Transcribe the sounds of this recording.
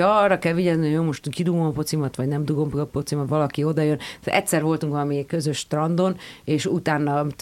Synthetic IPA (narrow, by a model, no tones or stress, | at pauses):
ɒrːɒkɛlʋiɟɛzniojomoʃt̪uŋkid̪uɡompo̞t̪simɒt̪ʋɒɟnɛmd̪uɡomppot̪simɒt̪ʋɒlɒkio̞d̪ɒjønɛ̰tʲsɛɾvo̞lt̪uŋkʋɒlɒmikø̞zø̞ʃt̪rɒnd̪o̞neːʃut̪aːnːɒ